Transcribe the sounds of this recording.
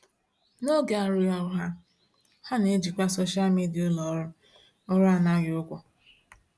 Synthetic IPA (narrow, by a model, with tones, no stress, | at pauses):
no˦ɡe˨a˨ɾʊ˨ja˨ɾʊ˦ɦa˦ | ha˦ne˦d͡ʒi˨kʷa˦˨so˦ʃi˦a˦lmi˦di˨ʊ˦lɔ˨˦ɾʊ˦ | ɔ˦ɾʊ˦a˨na˦ɣʊ˦kʷɔ˨